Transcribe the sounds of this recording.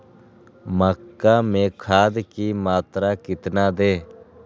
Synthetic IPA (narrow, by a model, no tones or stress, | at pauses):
məkːaːmẽːkʰaːd̪kiːmaːt̪ɾaːkɪt̪naːd̪eː